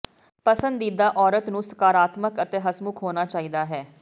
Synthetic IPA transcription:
pəsənd̪iːd̪aːʔɔːɾət̪nũːsə̥kaːɾaːt̪məkət̪eːɦəsmʊkɦoːnaːt͡ʃaːiːd̪aːɦɛː

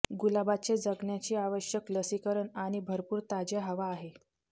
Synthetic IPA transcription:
ɡulabat͡sed͡zəɡɳjat͡ɕiːaʋəɕjəkləsikəɾəɳaɽ̃ibʱəɾpuːɾt̪ad͡ʑjaɦəʋaːɦe

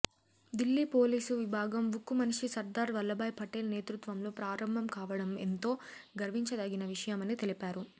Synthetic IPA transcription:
d̪ilːiːpo̞ːliːsuʋibʱaːɡɐmʋukːumɐniʂisɐɾd̪aːɾʋɐlːɐbɐːjpʰɐʈːeːlne̞ːt̪ɾut̪ʋɐmlo̞ːpɾaːɾɐmbʱɐmkaːʋɐɽɐment̪o̞ːɡɐɾʋiɲt͡ʃɐd̪ɐɡinɐʋiʂɐjɐmɐnit̪e̞lipaːɾu

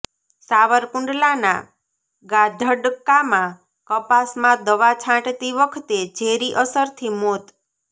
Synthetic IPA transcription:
saʋəɾkʊ̃ɳɖlana̰ | ɡad̪ʱəɖəkːamã | kəpasmãd̪əʋat͡ʃʰãʈt̪iʋəkʰt̪ed͡ʒeɾiʔəsəɾt̪ʰimot̪

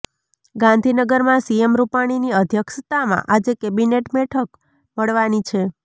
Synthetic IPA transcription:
ɡãnd̪ʱinəɡəɾmãsiemɾupaɽ̃iniəd̪ʱjəkʃət̪amã̰ʔad͡ʒekebineʈbɛʈʰək | məɭʋanit͡ʃʰe

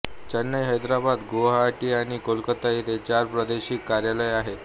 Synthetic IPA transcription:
t͡ɕənːəjɦəjd̪ɾabad̪ɡoɦaʈiːaɽ̃ikolkət̪ait̪et͡ɕaɾpɾəd̪eɕiːkːaɾjaləjaɦe

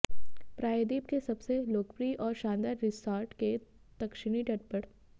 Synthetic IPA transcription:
pɾaːjəd̪iːbkesɐbseloːkpɾiʔɔːɾʃãːnd̪aːɾːɪsʈaːɾʈke | d̪̥ɐkʃɪɽ̃iʈɐʈ̚pɐɽ

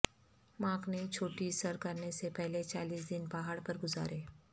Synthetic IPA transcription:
mãːknet͡ʃʰoːʈisɐɾkɐɾnesepɛɦlet͡ʃaːliːs̬d̪ɪnbaːɦaːɽpɐɾɡʊza̰ːɾʔeː

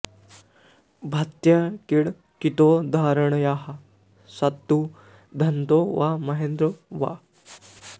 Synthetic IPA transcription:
bʱat̪jakiɽ | kit̪od̪ʱaɾəɳjaɦa | sat̪ːu | d̪ʱɐnt̪oʋamɐɦend̪ɾəʋa̰

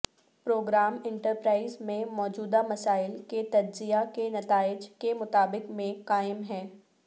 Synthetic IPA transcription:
pɾoːɡɾaːmɪ̃ɳʈəɾpɾaːɪzmẽmɔːd͡ʒuːd̪amɐsaːɪlket̪ɐd͡ʒzijakenɐt̪aːɪd͡ʒkemʊt̪aːbɪkmẽkaːɪmɦɛ̃ː

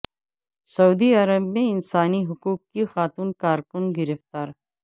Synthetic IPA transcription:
sɐuːd̪iɐɾəbmẽɪnsaːniɦʊkuːk̚ːixaːt̪uːnkaːɾkʊnɡɪɾəft̪aːɾ

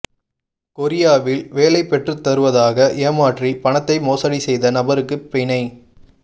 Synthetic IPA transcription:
kɔɾɪjaːʋɪlʋeːlɐɪpːɛʈrɯt̪ːɐɾɯʋɐðaːɣɐʔɪɐmaːʈripɐɳɐt̪ːɐɪmoːsɐɽisɛjðɐnɐbɐɾɯkːɯpːɪɳɐɪ

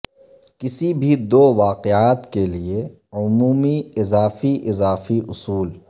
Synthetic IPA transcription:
kɪsibʱid̪oːʋaːqɪaːt̪kelie | ʊmuːmiɪzaːfiʔɪzaːfiʔʊsuːl

